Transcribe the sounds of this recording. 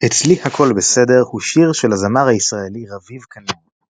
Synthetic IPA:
et͡slihakʰo̞lbese̞de̞ʁhuʃiʁʃelazamaʁhaisʁaeliʁavivkʰanen

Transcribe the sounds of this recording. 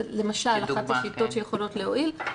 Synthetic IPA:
le̞maʃalaχatʃʃit̪o̞tʃejeχo̞lo̞tleoʔil

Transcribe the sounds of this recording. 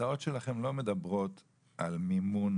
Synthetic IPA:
ao̞tʃe̞laχe̞mlo̞me̞d̪abʁo̞t̪ | ʔalmimun

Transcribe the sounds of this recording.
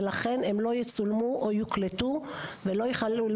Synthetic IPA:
laχe̞nemlo̞jet͡sulmuʔojukletuvelo̞jeχalu

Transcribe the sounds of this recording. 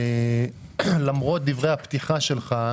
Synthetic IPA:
lamʁo̞t̪̚d̪ivʁejhapt̪iχaʃe̞lχa

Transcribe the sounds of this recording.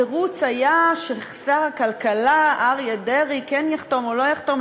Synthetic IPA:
eʁut͡sajaʃeχsaʁakalkalaaʁjadeʁikenjaχto̞molo̞jaχt̪o̞m

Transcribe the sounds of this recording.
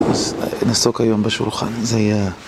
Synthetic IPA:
aznasokhajombeʃulχa̰nzehaja

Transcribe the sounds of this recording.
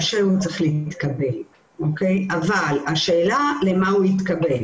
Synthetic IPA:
ʃeut͡seχlit̪kabel | okejavalaʃe̞ːlalemauit̪kabel

